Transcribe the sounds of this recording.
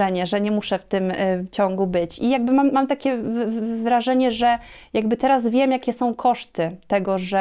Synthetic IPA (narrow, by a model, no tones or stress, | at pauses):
ɛɲɛʐɛɲɛmuʂɛft̪ɘmt͡ɕɔ̃ŋɡubɘt͡ɕijaɡ̚bɘmamːamt̪akʲɛvɾaʐɛɲɛʐɛjaɡbɘt̪ɛɾazvʲjɛmjakʲɛsɔ̃w̃kʰɔʂt̪ɘt̪ɛɡɔʐɛ